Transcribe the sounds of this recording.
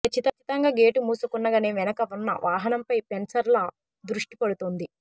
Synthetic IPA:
kɐt͡ʃːit̪ɐt͡ʃit̪ɐŋɡaːɡe̞ːʈumuːsukunːɐɡaːne̞ːʋɛnɐkɐunːɐ̰ʋʔaːɦɐnɐmpɐjpensɐɾlɐ | d̪ɾuʂʈi̥pɐɽut̪ond̪i

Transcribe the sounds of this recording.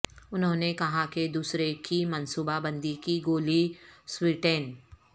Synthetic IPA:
ʊnɦõːnekɐɦaked̪uːsɾekimɐnsuːbabə̃nd̪ikiɡoːliswɪʈen

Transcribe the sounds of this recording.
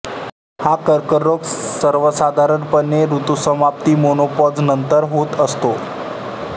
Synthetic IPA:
hakəɾkəɾːoksəɾʋəsad̪ʱaɾəɳpənːeɾut̪usəmap̚t̪iːmonopɔd͡znənt̪əɾɦot̪əst̪o

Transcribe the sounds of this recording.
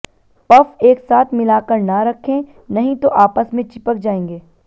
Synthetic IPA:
pɐfeːksaːt̪ʰmɪlaːkəɾnaɾɐkʰːẽ | nɐɦĩt̪oʔaːpəsmẽt͡ʃɪpək̚d͡ʒaːẽːŋɡeː

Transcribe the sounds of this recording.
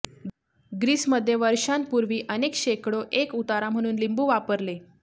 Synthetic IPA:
ɡɾiːsməd̪ʱːjeʋəɾɕanpuɾʋiːʔənekɕekɽoʔekut̪aɾam̤əɽ̃uːnlimbuːʋapəɾle

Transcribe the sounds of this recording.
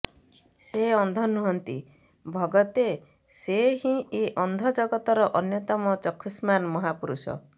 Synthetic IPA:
seɔnd̪ʱɔnuɦɔnt̪ḭ | bʱɔɡɔt̪e | seɦĩeʔɔnd̪ʱɔd͡ʒɔɡɔt̪ɔɾɔʔɔnjɔt̪ɔmɔt͡ʃɔkʰːismanmɔɦapuɾusɔ̰

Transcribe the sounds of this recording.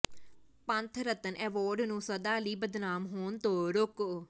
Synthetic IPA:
pənt̪ʰɾət̪ənʔɛːʋoːɾɖnũːsəd̪aːliːbəd̪naːmɦoːnt̪oːɾʊk

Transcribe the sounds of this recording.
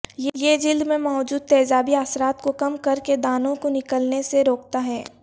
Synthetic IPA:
jjed͡ʒɪld̪mẽmaːd͡ʒuːd̪̚t̪ɛːzaːbiaːsɾaːt̪kokɐmkɐɾked̪aːnõkonɪkəlneseɾoːk̚t̪aɦɛː

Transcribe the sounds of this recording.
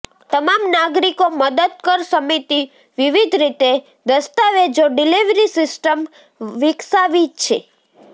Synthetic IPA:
t̪əmamnaɡɾikoməd̪əd̪̚kəɾsəmit̪i | ʋiʋid̪ʱɾit̪e | d̪əst̪aʋed͡ʒoɖiliʋɾisɪsʈəm | ʋɪksaʋit̪̚t͡ʃʰḛ

